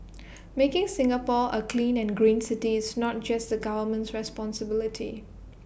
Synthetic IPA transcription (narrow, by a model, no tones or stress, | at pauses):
mekɪ̃ŋsɪ̃ŋəpɔʔəkʰlĩnɛ̃nɡɹĩːnsɪtiɪsnɔt̚d͡ʒasdəɡavəmə̃ntsɹɛspɔ̃nsəbɪlɪtʰḭ